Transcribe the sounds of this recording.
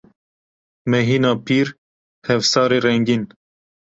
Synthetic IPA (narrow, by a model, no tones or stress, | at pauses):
mɛɦiːnɑːpʰiːɾ | hɛvsɑːɾeːɾɛŋɡin